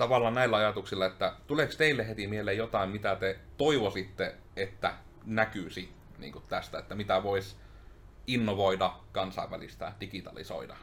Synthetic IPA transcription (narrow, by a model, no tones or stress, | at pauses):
t̪ɑʋɑlːˑɑːnnæilːæɑjɑt̪uksilːɑet̪ːæt̪ulekst̪eilːehet̪imieleːjot̪ɑˑimmit̪æt̪et̪oiʋosit̪ːe | et̪ːæ | nækysit̪ | nḭːŋkut̪t̪æst̪æet̪ːæmit̪æʋois | inːoʋoidɑkɑnsɑˑiʋælḭst̪æ̰d̥ikit̪ɑ̰lḭso̰idɑ̰